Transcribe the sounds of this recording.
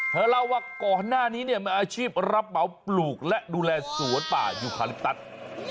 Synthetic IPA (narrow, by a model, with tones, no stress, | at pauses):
t̪ʰɛː˨˦la˧waː˧˩kɔː˨˩nːaː˥˩niː˦˥ni˥˩əma˧ʔaː˧t͡ɕʰiː˥˩p̚ɾa˦˥p̚ma˨˦wpluː˨˩k̚lɛ˦˥ʔduː˧lɛː˧su˩˦p̪a̰ː˨˩juː˨˩kʰaː˧li˦˥p̚t̪a˦˥t̪̚